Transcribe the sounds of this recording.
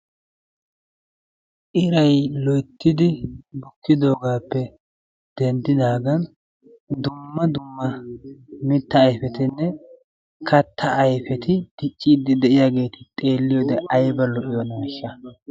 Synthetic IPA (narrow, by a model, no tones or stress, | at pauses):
ʔɪɾɐjlɔjt̪ːɪd̪ɪbʊkːɪd̪o̞ːɡaːpːɛ | d̪̥ɛnd̪ɪd̪aːɡɐn | d̪ʊmːɐd̪ʊmːɐ | mɪt̪ːɐːjfɛt̪ɪnːɛ | kʰɐt̪ʰːɐʔːjfɛt̪ɪd̪ɪt͡ʃʼːiːd̪ɪd̪ɛʔɪjaːɡe̞ːt̪ɪ̥t̪ʼe̞ːlːɪjod̪ɛʔɐjbɐlɔʔɪjɔnaːʃːɐ